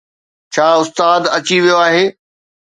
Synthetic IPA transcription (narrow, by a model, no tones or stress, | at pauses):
t͡ɕʰaːʊst̪aːd̪ɐt͡ɕiʋijoaːɦeː